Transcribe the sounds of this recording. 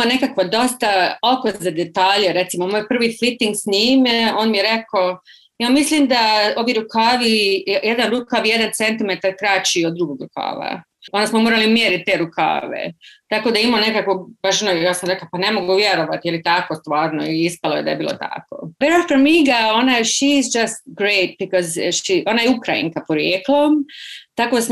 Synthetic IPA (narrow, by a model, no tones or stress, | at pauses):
mane̞kakʋad̪o̞st̪aokozad̪et̪aːʎeɾe̞t̪simomoːjpr̩ʋifit̪iŋɡsniːmeo̞ːnmijeɾeko | jaːmisliːmd̪ao̞ʋiɾukaːʋijed̪anɾukaʋije̞d̪ant̪se̞nt̪imet̪aɾkɾaːt͡ɕiod̪d̪ɾuɡoɡɾukʰa̰ːʋa̰ | ond̪asmomoːɾalimjeːɾit̪̚t̪ːeɾukʰa̰ːʋḛt̪ako̞d̪aimone̞kakobaʃonojaːsamɾeklapane̞mo̞ɡuʋjeɾo̞ʋat̪ijelit̪akost̪ʋaːɾnoiispalˠojed̪a̰jebḭːlˠo̰t̪a̰ko̰beɾafoɾmiɡaonajʃizd͡ʒast̪̚ɡɾeɪt̪̚bikɔzʃiʔo̞najeukɾajḭŋkapoɾjeːklˠot̪akod̪sm